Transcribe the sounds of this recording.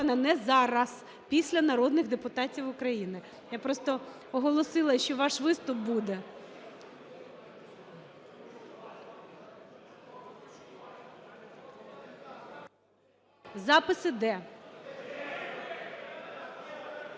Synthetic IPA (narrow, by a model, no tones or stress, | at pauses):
nɐnɛzɑɾɐs | pʲisʲlʲɐnɐɾɔd̪nɪɣd̪epʊt̪ɑtʲiwʊkɾɐjinɪ | japɾɔst̪ɔ | ɔɦɔlˠɔsɪlˠɐʃt͡ʃɔʋɑʃʋɪst̪ʊp̚bud̪ɛ | zɑpɪsɪd̪ɛ